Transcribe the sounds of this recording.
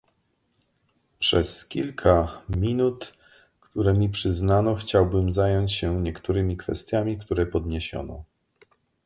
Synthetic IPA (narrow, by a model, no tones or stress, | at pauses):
pʂɛskʲilkʰamʲinut̪ | kt̪uɾɛmʲipʂɘznanɔxt͡ɕawbɘmzajɔɲt͡ɕɕɛɲɛkt̪uɾɘmʲikfɛst̪ʲjamʲikt̪uɾɛpɔd̪ɲeɕɔ̰nɔ̰